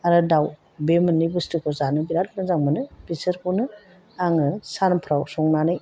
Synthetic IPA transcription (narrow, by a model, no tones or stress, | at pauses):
aɾɯdaw | bemɯnːibɯstɯkʰɔzanɯbiɾat̚nɯzaŋmɯnɯpisɯɾpʰɔnɯ | aŋɯsanpʰɾawsɔŋnanɯj